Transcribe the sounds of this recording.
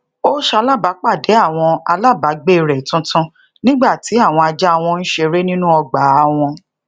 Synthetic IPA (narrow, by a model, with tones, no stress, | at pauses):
o˦ʃa˧˦la˦ba˨˦k͡pa˦˨de˨˦a˦˨w̃ɔ̃˧a˧la˦˨ba˨˦ɡ͡be˦˨ɾɛ˨tũ˦tũ˦ | nĩ˦ɡ͡ba˦˨ti˨˦a˦˨w̃ɔ̃˧a˧d͡ʒa˦a˦˧w̃ɔ̃˧n̩˦ʃe˧ɾe˦nĩ˦nũ˦ɔ˧ɡ͡ba˨˦a˧w̃ɔ̃˧